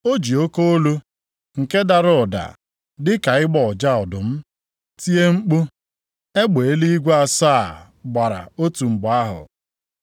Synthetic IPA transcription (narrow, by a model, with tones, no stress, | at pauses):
o˦d͡ʒi˨o˦ko˦o˦lu˦ | ŋ̩˨ke˦da˨ɾʊ˦˨ɔ˨da̰˨ | dɪ˦ka˨ɪ˦ɡ͡bɔ˨ɔ˨d͡ʒa˦ɔ˨dʊ˨m̩˦ | ti˦e˦ŋ͡m̩˦k͡pu˦ | e˦ɡ͡be˨˦li˦i˦ɡʷa˦sa˦˨ | ɡ͡ba˨ɾa̰˨o˦tu˨ŋ͡m̩˨ɡ͡ba˦ɦʊ̰˨